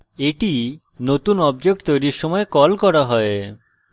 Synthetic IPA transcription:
eʈi | not̪unɔbd͡ʑek̚ʈt̪ojɾiɾʃɔmɔekɔlkɔɾaɦɔe

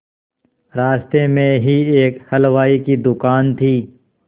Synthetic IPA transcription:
ɾaːst̪emẽɦieːkhɐlʋaːikid̪ʊkaːnt̪ʰiː

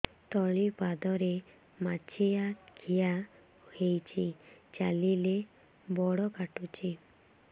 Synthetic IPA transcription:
t̪ɔɭipad̪ɔɾe | mat͡ʃʰijakʰija | hejt͡ʃʰit͡ʃalile | bɔɽɔkaʈut͡ʃʰi

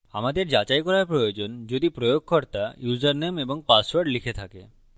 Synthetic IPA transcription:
a̰mad̪eɾd͡ʑat͡ɕajkɔɾaɾpɾojod͡ʑond͡ʑod̪ipɾojoɡ̚kɔɾt̪ajuzaɾnemeboŋpaswaɾɖlikʰet̪ʰake

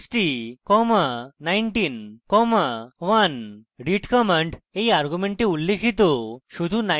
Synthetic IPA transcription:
sʈikɔmanajɳʈinkɔmaʋɐnɖiʈkəməɳʈeiaɾɡumeɳʈĩulːekʰit̪oɕud̪ʱuna

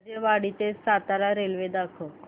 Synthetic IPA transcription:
d͡ʑeʋaɽit̪esat̪aɾaɾelʋed̪akʰo

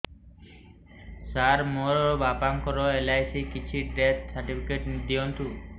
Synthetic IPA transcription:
saɾmoɾobapaŋkɔɾoelajsikit͡ɕʰiɖet̪saɾʈipʰikeʈnid̪ːiont̪u

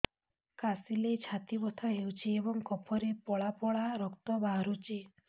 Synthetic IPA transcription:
kasilet͡ʃʰat̪ibɔt̪ʰaɦewt͡ʃʰiebɔŋkɔpʰɔɾepɔɭapɔɭaɾɔkt̪ɔbaɾut͡ʃi

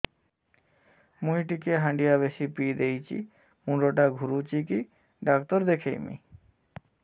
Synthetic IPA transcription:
muɦiʈ̬ikeɦãɳɖijaβeʃipid̪ejt͡ɕʰḭ | muɖoʈaɡʱuɾut͡ɕiki | ɖakt̪oɾd̪ekʰḛjmḭ

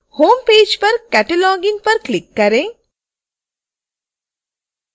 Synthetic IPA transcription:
hoːmpeːd͡ʒpɐɾkɛʈɐlɔːɡinpɐɾklɪkːɐɾẽː

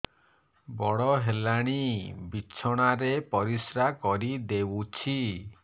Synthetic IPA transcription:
bɔɽɔɦelaɽ̃ibit͡ʃʰɔɽ̃aɾepɔɾisɾakɔɾid̪ewut͡ʃʰi

